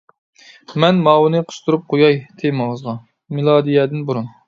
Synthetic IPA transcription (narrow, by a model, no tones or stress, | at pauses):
mɛnmɑːwnɨqʰə̥ʃt̪ʰuɾup̚qʰojɑjt̪ʰejmɨŋəzʁɑ | mɪlˠɑːd̪ijɛd̪ɪnbuɾun